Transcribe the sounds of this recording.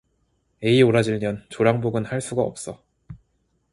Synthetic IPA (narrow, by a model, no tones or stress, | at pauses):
e̞ioɾad͡ʑiɭmjʌnt͡ɕoɾaŋboɡɯnhaɭs͈uɡaʌ̰p̚s͈ʌ